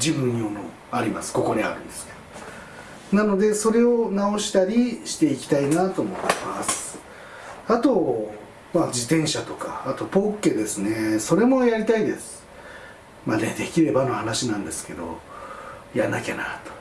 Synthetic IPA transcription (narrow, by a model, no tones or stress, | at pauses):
d͡ʑibɯ̟̃ɲ̟ːiomo | aɾʲimasɨ̥ko̞ko̞d̪ea̰ɾɯ̟̃nd̪̥e̞sɨ̥ked̥̪o | nano̞d̪e̞so̞ɾe̞o̞nao̞ɕi̥t̪aɾʲiɕi̥t̪e̞ikʲi̥t̪ainat̪o̞ːmo̞t̪ːemasɨ̥ | at̪o̞ | mad͡ʑit̪ẽ̞ɰ̃ɕat̪o̞kaːt̪o̞po̞ːkːe̞d̪e̞sɨne̞so̞ɾe̞mo̞jaɾʲit̪aid̪e̞sɨ̥ | mad̪ḛd̪e̞kʲiɾe̞bano̞hanaɕinãnd̪e̞sɨ̥ke̞d̪o̞̰ | janːakʲa̰nat̪o̥